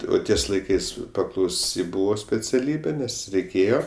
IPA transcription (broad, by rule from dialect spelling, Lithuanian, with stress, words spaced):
oː ˈtʲiɛs lˠɐɪˈkɐɪs pɐklˠɐʊˈsʲɪ ˈbuːʋoː sʲpʲɛt͡sʲɛˈlʲiːbʲeː ˈnʲɛs rʲɛɪˈkʲeːjoː